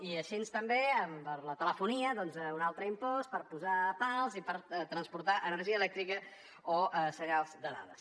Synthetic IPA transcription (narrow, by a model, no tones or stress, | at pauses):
iəʃinst̪əmbeəmpəɾlət̪ələfuniəðɔnzəunalˠt̪ɾəimpɔspəɾpuzapalˠzipəɾt̪ɾənspuɾt̪aʔənəɾʒiəlɛk̚t̪ɾikə | oʔəsəɾealˠzd̪əða̰ðəs